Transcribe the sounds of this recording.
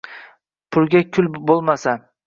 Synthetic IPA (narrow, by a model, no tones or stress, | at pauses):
pʰʊɾɡʲakʲʰʊlbolˠmasa